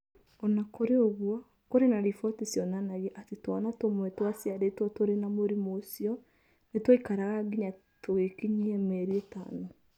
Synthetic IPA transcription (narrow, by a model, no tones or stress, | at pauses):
ɔnakoɾeoɣwɔ | koɾenaɾifɔtesjɔnanaɣɛʔatetwɔnatomwɛtwasiaɾetwɔtoɾenamoɾimosiɔ | netwɔikaɾaɣaɡiɲa | toɣekiɲiɛmɛɾiɛta̰no